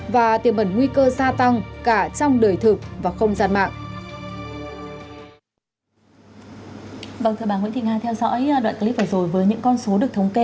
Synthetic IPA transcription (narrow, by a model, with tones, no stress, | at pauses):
vaː˨˩t̪i˨˩əmɓə˨˧˩nŋwi˧kəː˧zaː˧t̪a˧ŋkaː˧˩t͡ɕɔ˧wŋ͡mɗəː˨˩jt̪ʰɨ˨˩k̚vaː˨˩xə˧wŋ͡mzaː˧nma̰ː˧˨ŋʔ | vaː˨˩wt̪ɨ˨˩ɓaː˧˩nw̰nt̪i˨˩haː˧˩t̪ʰɛ˧wzɔ̰˧˥jɗwa̰ː˧˨kːli˦˥p̚ʔəː˨˩zo˨˩jvəː˨˦jɲɨ̰˧˥ŋkɔ˧nso˨˦ɗɨ˨˩ək̚t̪ʰwŋ͡mke˧